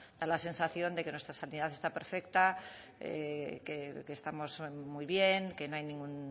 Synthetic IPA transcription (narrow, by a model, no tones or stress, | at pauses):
d̪̥alase̞nsaθjo̞nd̪ekenwest̪ɾasanið̞aθe̞st̪ape̞ɾfekt̪a | ḛkekest̪amo̞zmujβjeŋkenoajnĩŋɡun